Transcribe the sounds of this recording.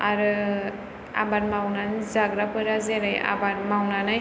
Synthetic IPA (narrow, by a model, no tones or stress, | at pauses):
aɾɯ | a̰baɾmawnanzaɡɾapʰɯɾazeɾaja̰baɾmawnanɯj